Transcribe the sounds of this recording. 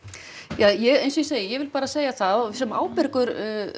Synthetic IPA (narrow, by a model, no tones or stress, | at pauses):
jaːjɛɣejnsiseːjɪjɛɣvɪlpaːɾaseːjaθaðsɛma̰ːwpɪɾkʏɾ